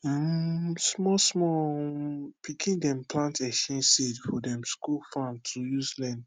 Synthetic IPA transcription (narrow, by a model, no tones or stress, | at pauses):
ãmsmɔsmɔ | pʰikʰĩndɛ̃mplãntʰɛʃɛ̃nsedfɔdɛ̃mskulfãntʰujuzlɛ̃nd